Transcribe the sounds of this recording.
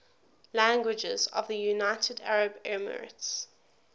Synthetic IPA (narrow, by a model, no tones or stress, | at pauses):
læ̃ŋɡwɪd͡ʒɪ̰zə̰vðəjunaɪtʰədæ̰ɹəbɛmə̰ɹɪ̰ts